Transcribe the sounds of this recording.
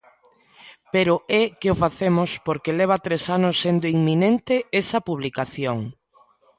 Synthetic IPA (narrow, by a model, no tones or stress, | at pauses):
peɾʊɛkɪofaθemʊspoɾkelɛβ̞at̪ɾesanʊsːend̪oiŋmːinent̪ɪesɐpuβlikaθjoŋ